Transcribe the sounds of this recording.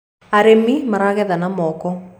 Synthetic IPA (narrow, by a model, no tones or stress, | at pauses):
aɾemimaɾaɣɛðanamɔkɔ